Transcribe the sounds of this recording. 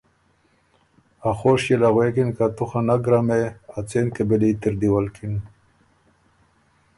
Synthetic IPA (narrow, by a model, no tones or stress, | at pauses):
axoʂjelaɣwekinkat̪uxanaɡɾameat͡senkebelit̪ɪɾd̪iwalkʰin